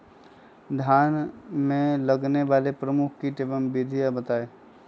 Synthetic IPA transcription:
d̪ʱjaːnmẽləɡneʋaːlepɾəmukʰkiʈeʋəmbid̪ʱijabət̪aːeː

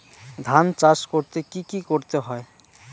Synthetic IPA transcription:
d̪ʱant͡ʃaskɔɾt̪ekikikɔɾt̪eɦɔe

